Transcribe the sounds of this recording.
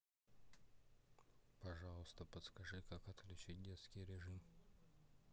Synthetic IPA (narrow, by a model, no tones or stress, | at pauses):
pɐʐɑlˠəst̪əpət̪skɐʐɨkakɐt̪klʲʉt͡ɕit̚ʲdʲet̪skʲijɾʲɪʐɨm